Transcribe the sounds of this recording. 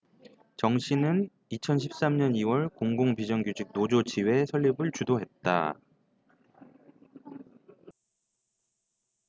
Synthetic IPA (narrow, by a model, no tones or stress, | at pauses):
t͡ɕʌŋɕʰinɯn | it͡ɕʰʌnɕʰip̚s͈amɲʌniwʌɭkoŋɡoŋpid͡ʑʌŋɡjud͡ʑik̚nod͡ʑod͡ʑiwe̞sʰʌɭːibɯɭt͡ɕudoɦe̞t̚t͈a̰